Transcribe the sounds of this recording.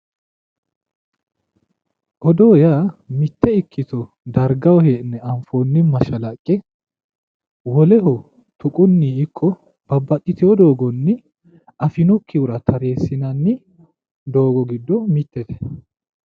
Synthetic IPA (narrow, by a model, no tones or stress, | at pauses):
ʔɔd̪oːjamɪt̪ːɛɪkʰːɪt̪ɔ | d̪ɐɾɡɐwɔheːʔnːɛɐɱfoːnːɪmːɐʃɐlɐkʼːɛ | wɔlɛɦɔ | t̪ʊkʼʊnːiɪkʼːɔ | b̥ɐbːɐt̪ʼːɪt̪ɪwɔd̪o̞ːɡɔnːɪ | ɐfɪnɔkʰːɪʊɾɐt̪ʰɐɾe̞ːsːɪnɐnːɪ | d̪o̞ːɡɔɡɪd̪ːɔmɪt̪ːɛt̪ɛ̥